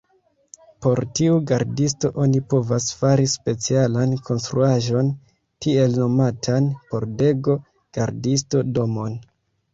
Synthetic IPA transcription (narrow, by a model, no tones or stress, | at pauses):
po̞ɾtiuɡaɾdisto̞ʔo̞nipo̞vasfaɾispe̞t͡sialankʰo̞nstɾuaʒo̞n | tie̞lno̞matʰanpo̞ɾde̞ɡo̞ | ɡ̥aɾdisto̞do̞mo̞n